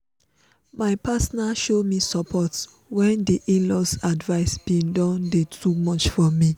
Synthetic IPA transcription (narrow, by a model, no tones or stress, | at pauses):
maɪpasnaʃomisɔpʰɔt | wɛ̃ndiʔĩnlɔsadvaɪsbĩndɔ̃ndetʰumɔt͡ʃfɔmi